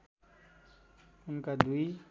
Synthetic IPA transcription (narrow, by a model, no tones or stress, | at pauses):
ʊnkad̪ui